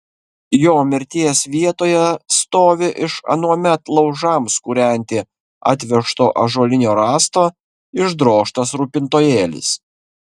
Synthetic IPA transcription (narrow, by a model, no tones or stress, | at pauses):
joːmʲɪɾʲt̪ʲiɛsʋʲiɛt̪oːjɛst̪oːʋʲɪʔɪʃɐ̰nuɔmʲɛt̪lˠɒʊʒɑmskuːɾʲɛˑnʲt̪ʲɪ | ɑ̰ːt̪̬ʲʋʲɛʃt̪oːʔɐʒoːlʲɪnʲoːɾɑːst̪oː | ɪʒd̪ɾoːʃt̪ɐsɾuːpʲɪnt̪oːjeːlʲɪ̰s